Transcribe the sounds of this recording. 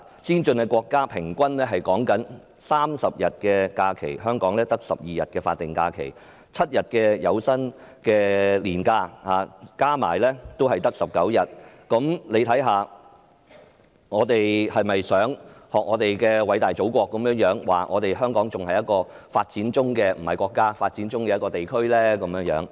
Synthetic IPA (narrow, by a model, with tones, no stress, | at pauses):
siː˥nt͡sɵ˧nkɛ˧kʷɔː˧kːaː˥pʰɪ˨˩ŋkʷɐ˥nlɛː˥ɦɐ˨jkɔː˨˥ŋkɐ˨˥n | saː˥msɐ˨p̚jɐ˨t̚kɛː˧kaː˧kʰe˨˩jɦœː˥ŋkɔ̰ː˨˥ŋlɛː˥t̪ɐ˥k̚sɐ̰˨p̚jiː˨jɐ̰˨t̚kɛː˧fa̰ː˧t̚t̪ɪ˨˩ŋka̰ː˧kʰḛ˨˩j | t͡sʰɐ˥t̚jɐ˨t̚kɛː˧jɐ̰˨˧wsɐ˥nkɛː˧liː˨˩nkaː˧haː˨˧kaː˥ma̰ː˨˩jlɛː˥t̪o˥whɐ˨jt̪ɐ˥k̚sɐ˨p̚kɐ˨˥wjɐ˨t̚ | kɐ˨˥mle˨˧jt̪ʰɐ˨˥jɦaː˨ | ŋɔː˨˧t̪e˨jhɐ˨jmɐ˨jsœː˨˥ŋhɔː˨k̚ŋɔː˨˧t̪e˨jkɛː˧wɐ˨˧jt̪aː˨jt͡so˨˥wkʷɔː˧kːɐ˨˥mjœː˨˥ŋjœː˨˥ŋwa̰ː˨˩ŋʔɔ̰ː˨˧t̪e˨jɦœː˥ŋkɔː˨˥ŋt͡sʊ˨ŋhɐ˨jɐ˥t̚kɔː˧ | faː˧t̚t͡siː˨˥nt͡sʊ˥ŋkɛ˧m̩˨˩hɐ˨jkʷɔː˧kːaː˥faː˧t̚t͡siː˨˥nt͡sʊ˥ŋkɛ˧jɐ˥t̚kɔː˧t̪e˨jkʰɵ˥ɥlɛː˥kɐ˨˧˥mjœː˧˥ŋjœ̰ː˨˥ŋ